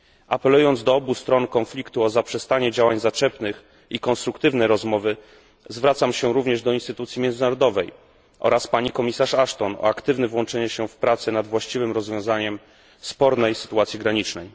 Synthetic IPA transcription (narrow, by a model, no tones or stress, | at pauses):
ʔapɛlujɔnd̪zd̪ɔɔbust̪ɾɔnkɔnflʲikt̪uɔzapʂɛst̪aɲɛd͡ʑawaɲzat͡ʂɛpnɘx | ikɔnst̪ɾukt̪ɘvnɛɾɔzmɔvɘ | zvɾat̪samɕɛɾuvɲɛʐd̪ɔinst̪ɘt̪ut̪sʲjimʲjɛnɘnaɾɔd̪ɔvɛj | ʔɔ̰ɾaspaɲikɔmʲisaʂaʂt̪ɔnɔ̰akt̪ɘvnɛvwɔnt͡ʂɛɲɛɕɛfpɾat̪sɛnad̪vwaɕt͡ɕivɘmɾɔzvʲjɔ̃w̃zaɲɛm | spɔɾnɛjsɘ̥t̪uat̪sʲiɡɾaɲit͡ʂnɛj